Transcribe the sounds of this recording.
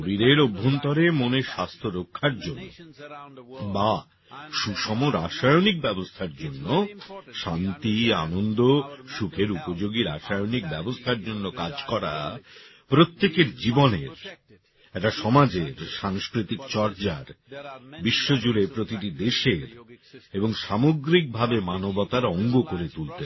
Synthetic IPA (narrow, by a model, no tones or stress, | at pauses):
oɾiɾeɾobʱːont̪ɔɾemoneʃast̪ʰoɾokʰːaɾd͡ʑonːo̰ | ba | ʃuʃɔmoɾaʃajonik̚bɛbost̪ʰaɾd͡ʑonːoʃant̪ia̰nond̪oʃukʰeɾupod͡ʑoɡiɾaʃajonik̚bɛbost̪ʰaɾd͡ʑonːokad͡ʑkɔɾa̰pɾot̪ːekeɾd͡ʑiboneɾ | ɛʈaʃɔmad͡ʑeɾʃaŋskɾit̪ikt͡ɕɔɾd͡ʑaɾ | biʃːod͡ʑuɾepɾot̪iʈid̪eʃeɾeboŋʃamoɡɾik̚bʱabemanobɔt̪aɾɔŋɡokoɾet̪ult̪e